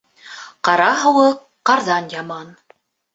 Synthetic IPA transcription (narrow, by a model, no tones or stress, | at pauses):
qɑɾɑɦɤ̆wɤqːɑɾðɑnjɑmɑn